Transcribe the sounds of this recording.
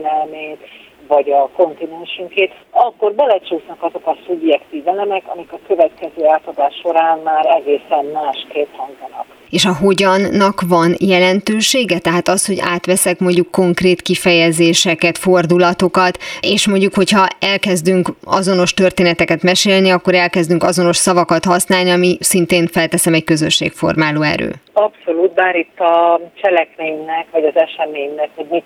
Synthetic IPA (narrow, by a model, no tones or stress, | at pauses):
nɛlmeːt̪ | vɒɟɒko̞nt̪inɛnʃyŋkeːt̪ | ɒkːo̞rbɛlɛt͡ʃuːsnɒkɒzo̞kɒsubjɛkt̪iːvɛlɛmɛkɒ̰mikɒkø̞vɛt̪kɛzøːaːt̪ɒd̪aːʃːo̞ɾaːnmaːɾɛɡeːsɛnmaːʃkeːp̪hɒŋɡzɒnɒ̰k | eːʃɒɦo̞ɟɒnːɒkvɒnjɛlɛnt̪øːʃeːɡɛt̪ɛɦaːt̪ɒst̪ho̞ɟa̰ːt̪ʋɛsɛkmo̞ɲɟːukːo̞ŋkreːt̪kifɛjɛzeːʃɛkɛt̪fo̞rd̪ulɒt̪o̞kɒt̪eːʃmo̞ɲɟukho̞chɒɛlkɛzd̪yŋkɒ̰zo̞no̞ʃt̪ø̞rt̪eːnɛt̪ɛkɛt̪mɛʃeːlniɒkːo̞ɾɛlkɛzd̪yŋkɒzo̞no̞ʃsɒvɒkɒt̪hɒsnaːlniɒmisint̪eːnfɛlt̪ɛsɛmɛckø̞zøʃːḛːkfo̞̰rmaːluːɛ̰ɾø̰ːɒpso̞luːt̪baːɾit̪ːɒt͡ʃɛlɛkmeːɲnɛkʋɒɟɒzɛʃɛmeːɲnɛkho̞ɟmi